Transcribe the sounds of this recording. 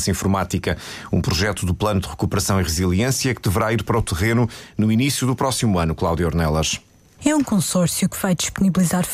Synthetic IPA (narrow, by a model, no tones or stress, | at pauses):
sɐĩfuɾmat̪ikɐṵ̃pɾuʒɛt̪uðuplˠɐnud̪ɨʁɨkupɨɾɐsɐ̃w̃iʁɨzilˠiẽsjɐkɨd̪ɨvɨɾaiɾpɐɾɔt̪ɨʁenunuinisjuðupɾɔsimuɐnuklˠawðjɔɾnɛlˠɐʃ | ɛũkõsɔɾsjukɨv̥ajd̪iʃpuniβlˠizaɾ